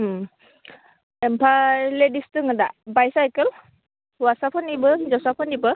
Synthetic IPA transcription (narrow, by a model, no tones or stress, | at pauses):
empʰaledistɯŋɯdabajsajkəl | wasapʰanibɯzɔwsapʰanibɯ